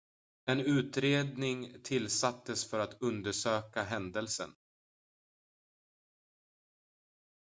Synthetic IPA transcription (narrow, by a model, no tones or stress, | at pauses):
ɛnʉ̟ːt̪ɾeːd̪nɪŋt̪ʰɪlːsat̪ːəsfœɾat̪ɵnd̪əʂøːkaɦɛnd̪əlsə̰n